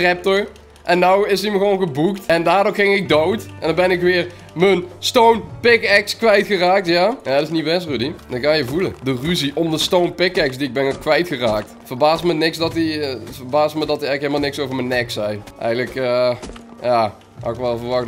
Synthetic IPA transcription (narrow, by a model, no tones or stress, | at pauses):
rɛp̚tɔɹ | ʔɛnːawɪsiməɣəʋownɣəbuktɛndaːrdʊːrχɪŋɪɡ̚dowtʔɛndɑbɛnɪkʋɪːr | mənstownpɪkɛkskʋɛjtxəraːk̚tjaːjaɪsniwʋɛs̬rydiɪkaːjəvulədəryziʔɔmdəstownpɪkɛksdiɪɡ̚bɛnkʋɛjtxəraːk̚tfərbaːsmənɪksdɑtivərbaːsmədɑtəɛjɣəkɦeləmalˠnɪksowvəɹmənɛksɛjʔɛ̰jɣələkə | jaː | ha̰wɪkʋɛlˠvərʋɑxt